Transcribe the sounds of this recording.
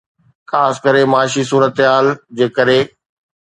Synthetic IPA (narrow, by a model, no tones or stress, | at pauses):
kʰaːskəɾemaːʃisuːɾət̪ɪɦaːld͡ʑeːkəɾe